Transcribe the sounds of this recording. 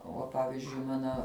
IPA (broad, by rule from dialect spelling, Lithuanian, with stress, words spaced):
ˈuɔ ˈpɑːʋʲɪzʲd͡ʒʲʊɪ ˈmɑːnɐ